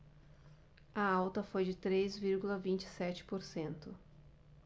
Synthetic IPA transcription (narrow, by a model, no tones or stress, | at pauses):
ɐawt̪ɐfojd͡ʒɪt̪ɾezviɾɡulɐvĩnt͡ʃɪ̥sɛt͡ʃɪ̥poɾsẽnt̪ʊ